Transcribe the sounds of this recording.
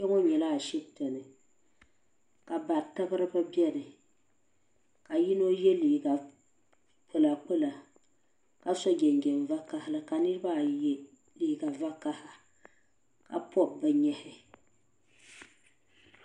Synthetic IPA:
ɛ˦ŋo˦ɲɛ˨la˦˨ʃɛ˦bto˨nɨ˨ | ka˨ba˨ɾtɨ˦bɨ˦ɾɨ˦bɨ˦bɛ˦nɨ˨ | ka˨ji˦no˦jɛ˦liː˨ɡa˨ | pʰo˦la˨k͡po˦la˨ | ka˨sɔ˦ɡʲɛ˨ŋɡɛ˨m˨va˦ka˦hɪ˦lɨ˦ka˨nɨ˦ɾɨ˦ba˦˨˦ | li˨ɡa˨va˦ka˦ha˨ | ka̰˨pʰɔ˦b̚bɨ˦ɲɛ˦hɪ˦

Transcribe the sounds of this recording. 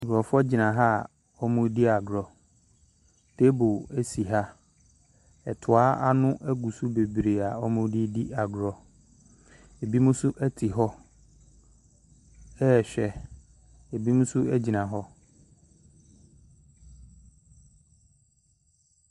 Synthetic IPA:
ɡɔ˨fʊ˦ɔ˦d͡ʑɪ˨nã˨ɦa˦˨ | ɔ˦mʊ̃˦di˦a˨ɡɾɔ˨ | tʰe˦bʊ˨æ˦si˨ɦa˦ | ɛ˨tʰʊ˨a˦a˦nʊ̃˦ʔɛ˦ɡu˨su˦be˨bɾe˨a˨ɔ˦mʊ̃˦di˦di˦ʔa˨ɡɾɔ˨ | e˨bi˦mũ˦sʊ˦ʔæ˦tʰi˨ɦɔ˦ | ɛ˦˨ɕᶣɛ˨ | e˨bi˦mũ˦sʊ˦æ˦d͡ʑi˨nã˨ɦɔ˦

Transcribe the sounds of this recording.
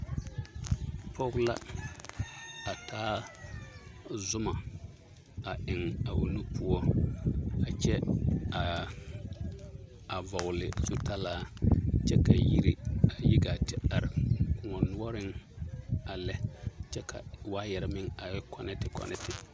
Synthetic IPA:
pʰɔ˦kla̰˦ | a˨tʰaː˦ | zʊ˦ma˨ | a˨ʔɪ˨ŋa˨wu˨nu˦pʰʊ˦ɔ˦ | a˨t͡ʃɛ˦a˨ | a˨vɔ˨ɣʊ˨lɪ˨zu˦ta˦laː˦t͡ʃɛ˦ka˨ji˦ɾi˦a˨ji˦ɡa˨tɪ˦a˨ɾɪ˨kʊ˨ŋɔ˨nʊ˦ɔ˦ɾɪ˦ŋ | a˨lɛ˦t͡ʃɛ˦kʰa̰˨waː˦jɛ˨ɾɪ˦mɪ˦ŋa˨ɛ˦kʰɔ˦nɛ˦tɪ˨kɔ̰˦nʔɪ̰˦tɪ˨

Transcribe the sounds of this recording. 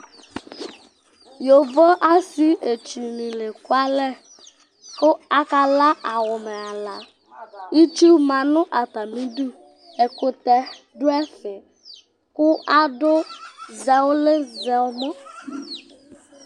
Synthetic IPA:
jo˨vɔ˦ʔa˦si˦e˨t͡ʃu˨nĩ˨le˨kʊ˦a˦lɛ˦ | kʊ˦a˦ka˦la˦ʔa˨wʊ˨mɛ˨a˨la˨ | i˦t͡ʃu˦bma˨nʊ̃˦ʔa˨ta˨mĩ˦du˦ | e˨kʊ˨tɛ˨ | dʊ˦ɛ˦fɪ˨ | kʊ˦ʔa˦dʊ˦zɛ˨wʊ˦le˦zɛ˨ɔ˨mɔ˦

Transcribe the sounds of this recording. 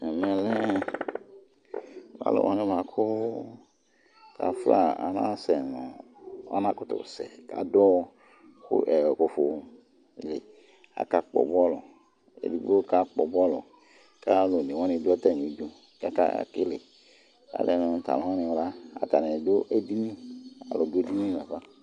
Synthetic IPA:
ɛ˨mɛ̃˨lɛ˦˨ | wa̰˦lo̰˨wʔã̰˨nẽ˦ba˨kʰo˦ | ka̰˨fla˦˨a̰˨nã̰˦sɛ˨nɔ̃˨ | a̰˦nã˦kʊ˦t̪o̰˨sɛ̰˨ka̰˨dɔ˦ | kṵ˦ʔɛ˨ko˨fo˨˦˨ | le˨ | a̰˨ka˦k͡pɔ̰˨bɔ˦lɔ̰˨ | ḛ˨dḭ˨˦bo˦ka˦k͡pɔ˨bɔ˦lɔ˨ | ka˦lo˨ni˨wɔ̃˦nɪ̃˨dʊ˦ɔ˦tɛ˦˨ɲ˨ĩ˨˦d͡ʒu˦ | ka˦ka̰˦˨kɪ˦le˨ | ka̰˨le˨nʊ̃˨ta̰˨lõ˨˦a˦nɪ̃˨wla˦a˨t̪a˨nẽ˨dʊ˦ʔe˦di˦nĩ˦a˨lɔ˨do˦di˦nĩ˦˨la˨ɸa˦

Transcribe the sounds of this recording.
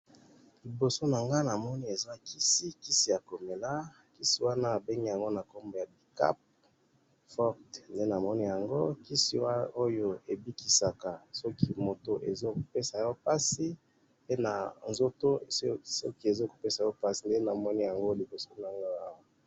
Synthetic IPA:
li˨bo˨so˦na˨ŋɡa˦na˨mɔ˦ni˦e˨za˦ki˦si˦ki˦si˦ja˨ko˨me˨la˦ | ki˦si˦wa˦naː˦˨be˦ŋɡi˦ja˨ŋɡo˦na˨ko˦mbo˨ja˨bi˨ka̰˦p̚ | fɔ˦ʁtnde˦na˨mɔ˦ni˦ja˨ŋɡo˦ki˦sḭ˦wa˦o˦jo˦e˨bi˦ki˨sa˨ka˨sɔ˦ki˦mo˨to˨ʔḛ˨zo˦ko˨pe˦sa˨jɔ˦pa˦si˦ | pe˦na˨nzo˦to˦sɔ̰˦ki˦e˨zo˦ko˨pe˦sa˨jɔ˦pa˦si˨nde˦na˨mɔ˦ni˦ja˨ŋɡo˦li˨bo˨so˦na˨ŋɡa˦a˦˨w

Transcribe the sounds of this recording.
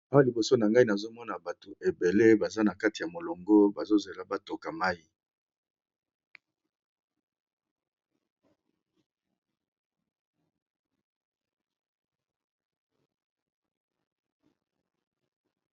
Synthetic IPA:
a˦wa˦li˨bo˨so˦na˨ŋɡa˦i˦na˨zo˦mɔ˦na˨ba˨to˨ʔe˨be˨le˦ba˨za˦na˨ka˦ti˨ja˨mo˨lo˨ŋɡo˦ba˨zo˦ze˨la˨ba˦to˨ka˨ma˦ji˦

